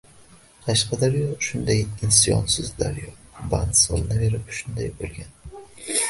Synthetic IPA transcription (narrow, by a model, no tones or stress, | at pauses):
qʰɑʃqɑd̪aɾjɒʃʊnd̪ajɪnsjɒ̰nsɪzd̪a̰ɾjɒba̰nsɨlˠnave̞ɾɪpʃʊnd̪ajbolˠɡʲan